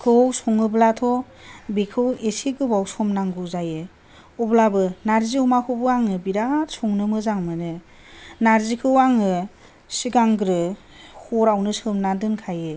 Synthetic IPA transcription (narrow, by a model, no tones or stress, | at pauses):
kʰɯwsɔŋɯblatʰɔ | bikʰɯwesiɡɯbawsɔmnaŋɡuzajɯ | ɔblabɯnaɾzihɔmakʰɯbɯaŋɯbiɾatsɔŋnɯmɯzaŋmɯnɯ | naɾzikʰɯwaŋɯ | siɡaŋɡɾɯ | hɔɾawnɯsɯmnadɯnkʰajɯ